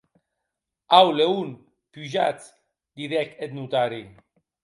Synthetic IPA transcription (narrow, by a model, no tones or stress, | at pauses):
awleun | pyʒa̰t͡s | d̪iðɛket̪̚nut̪aɾi